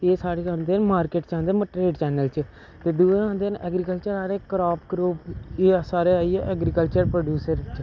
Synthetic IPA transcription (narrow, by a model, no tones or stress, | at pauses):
eːsaːɾeːãːnd̪eːnmaːɾkeːʈt͡ʃãːnd̪eːməʈɾeːɖt͡ʃɛːnəlt͡ʃ | t̪eːd̪uːeãːnd̪eːnɛːɡɾikəlt͡ʃəɾaːɾeːkɾaːpɡɾuːpeːsaːɾeːaːiːeːʔɛːɡɾikəlt͡ʃəɾpɾoːɖjuːsəɾt͡ʃ